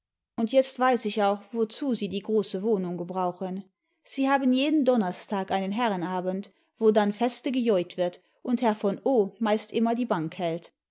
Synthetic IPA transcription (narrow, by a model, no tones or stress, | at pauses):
ʔʊntjɛt͡stv̥aɪsɪçaʊxv̥ot͡suːziːdiːɡʁoːsəvoːnʊŋɡəbʁaʊxən | z̥iːhaːbənjeːdən̩dɔnɐstʰaːkʔaɪnənɦɛʁənaːbənt | v̥oːdanfɛstəɡəjɔʏtv̥ɪɐt | ʔʊnthɛɐfɔnoːmaɪstʔɪmɐdiːbaŋkhɛlt